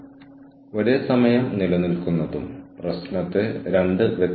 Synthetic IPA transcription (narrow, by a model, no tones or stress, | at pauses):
o̞ɾesɐmɐjɐmnilɐnilkunːɐðumprɐsnɐt̪ːɨɾeɳɖɨʋet̪